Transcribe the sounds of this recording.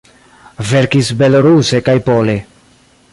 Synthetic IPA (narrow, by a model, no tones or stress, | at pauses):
ve̞ɾkisbe̞loɾuse̞kajpo̞le̞